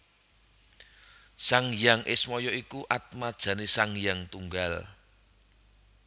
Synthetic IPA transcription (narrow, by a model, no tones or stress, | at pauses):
saŋjaŋʔɪsmɔjɔikuʔat̪̚mad̥ʒ̥ä̤nesaŋjaŋt̪uŋɡal